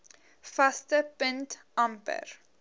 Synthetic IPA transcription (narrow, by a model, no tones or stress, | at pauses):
fastəpəntʔɐmpə̰r